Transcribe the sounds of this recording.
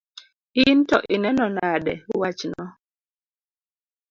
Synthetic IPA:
intɔʔinɛnɔnadɛwat͡ʃnɔ

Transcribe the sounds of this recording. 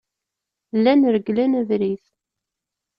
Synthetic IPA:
lːænəɾɡlænævɾiθ

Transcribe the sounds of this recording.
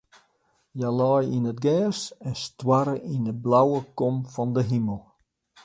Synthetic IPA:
jalɔjinətɡɛːsɛnstwaɾəʔindəblawəkɔmfɔndəɦiməlˠ

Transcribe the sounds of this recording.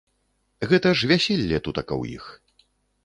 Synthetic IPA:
ɣɛt̪ɐʐvʲasʲilʲːɛt̪ut̪ɐkɐ̰wjḭx

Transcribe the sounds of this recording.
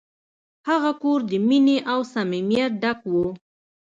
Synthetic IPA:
haɣakoɾd̪əmineʔawsamimjat̪̚ɖakwo

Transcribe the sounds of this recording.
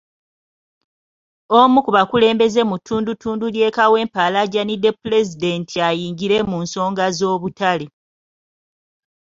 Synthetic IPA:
omukuβakule̞ːmbe̞ze̞mutʰːuːndutʰuːndulje̞ːkawe̞ːmpalaɟanidepule̞zide̞ntʰiajiːŋɟiɾe̞muːnso̞ːŋɡazo̞ːβutale

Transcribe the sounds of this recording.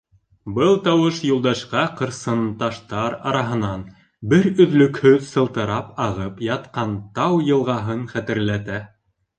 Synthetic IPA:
bɤlˠt̪ɑwɤʃjulˠd̪ɑʃqɑqɤ̆ɾsɤnt̪ɑʃt̪ɑɾɑ̰ɾɑɦɤ̆nɑn | bɘɾɵ̆ðlɵ̆khɵðsɤ̆lˠt̪ɤ̆ɾɑpɑʁɤpjɑt̪qɑnt̪ɑwjɤ̆lˠʁɑɦɤnχæt̪ɘ̆ɾlæt̪æ

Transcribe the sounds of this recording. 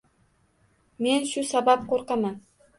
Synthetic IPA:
me̞nʃʊsabapqʰoɾqɑman

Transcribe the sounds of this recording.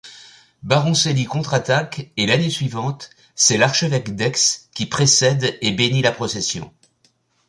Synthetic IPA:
baʁɔ̃selikɔ̃t̪χat̪akelanesɥivɑ̃t̪ | sɛlaʁʃəvɛkd̪ɛkskʲipχesɛd̪ebenilapχɔsɛsjɔ̰̃

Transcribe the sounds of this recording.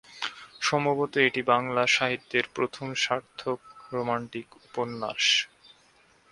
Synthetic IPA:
ʃɔmbobot̪oeʈibaŋlaʃaɦit̪ːeɾpɾot̪ʰomʃaɾt̪ʰok̚ɾomaɳʈikuponːaʃ

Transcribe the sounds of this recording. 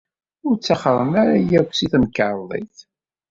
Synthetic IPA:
ʊɾt͡sːaχɾˤəmæɾajækʷsiθmkːəɾˤðˤḭθ

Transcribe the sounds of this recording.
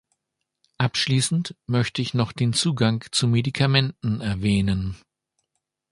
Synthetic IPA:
ʔapʃliːsn̩tmœçtəɪçnɔχd̥eːnt͡suːɡaŋt͡sumedikʰamɛntn̩ɛɐvɛːnən

